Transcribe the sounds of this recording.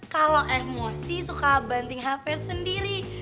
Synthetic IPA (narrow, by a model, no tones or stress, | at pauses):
kaloʔɛmosisukabant̪ɪŋɦapɛsəndiɾi